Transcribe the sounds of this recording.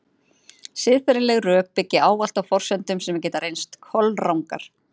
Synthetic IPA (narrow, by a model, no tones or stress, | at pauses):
sɪðfɪɾɪlɛɣrœːk̚pɪcːɪaːwal̥t̪awfɔr̥sɛnt̪ʏmsɛmcɛːt̪aɾejnst̪kʰɔlrawŋka̰ɾ̥